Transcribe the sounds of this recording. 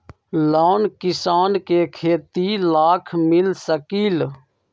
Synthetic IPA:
laːnkɪsaːnkeːkʰeːt̪iːlaːkʰmɪlsəkiːl

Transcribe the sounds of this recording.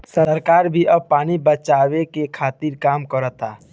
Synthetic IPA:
səɾkaːɾbʱiʔɐb̚paːnibət͡ʃaːwekekʰaːt̪iːɾkaːmkəɾət̪aː

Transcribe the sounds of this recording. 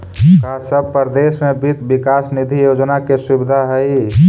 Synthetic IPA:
kasəb̚pəɾd̪esmẽbʱit̪bikaːsnid̪ʱijod͡ʒnakesubɪd̪ʱaɦɛi

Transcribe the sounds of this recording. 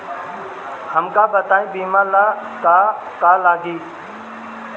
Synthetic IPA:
həmkãːbət̪aːĩːbiːmãːlaːkaː | kaːlaːɡiː

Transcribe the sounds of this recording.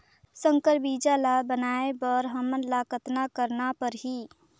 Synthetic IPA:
sə̃ŋkəɾbiːd͡ʒalabənaːebəɾɦəmənlakət̪nakəɾnapəɾɦi

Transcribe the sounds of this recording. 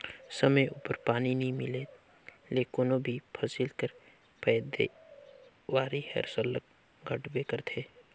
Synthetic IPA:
səməjʔṵːpəɾpaːninəĩmɪle | leːkonobʱipʰəsɪlkəɾ | pɛːd̪e | ʋaːɾihɛ̰ɾsələk | ɡʱəʈbekəɾt̪ʰeː

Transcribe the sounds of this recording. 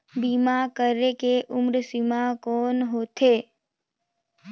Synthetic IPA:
biːmakəɾekeʔʊmɾsimakɔːnɦoːt̪ʰeː

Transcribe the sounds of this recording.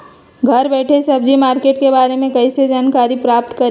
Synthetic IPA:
ɡʱɐɾbɛːʈʰesɐb̚d͡ʒimaːɾkeːʈkebaːɾemẽkɐised͡ʒaːnkaːɾipɾaːp̚t̪kɐɾ

